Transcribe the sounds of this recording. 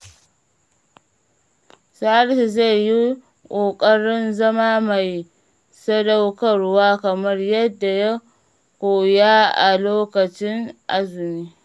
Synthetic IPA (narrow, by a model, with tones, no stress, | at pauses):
sa˦a˦ɽsi˨za˦˨jːi˦ | kʷʼoː˨kʼɐ˦ɽɪ˦nzɐ˦maː˦ma˨j | sɐ˦da˦wkɐ˦˨ɽwaː˦kɐ˨mɐ˦rjɐ˦dːa˨ja˦ | kʷoː˨jaː˦ʔa̰˨loː˦kɐ˨t͡ʃɪ˦ŋʔa˦zʊ˨niː˦